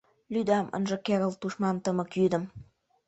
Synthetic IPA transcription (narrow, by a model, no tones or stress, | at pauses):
lʲyd̪ɑmʔə̰̆nʒɤ̆keɾə̆lˠt̪uʃmɑnt̪ə̆mə̆kjyd̪ə̆m